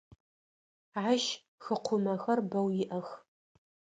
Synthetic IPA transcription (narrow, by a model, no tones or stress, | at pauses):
ʕaʃ | xɨqʷʰʊmɐxɐrbɐwjɪʔɐx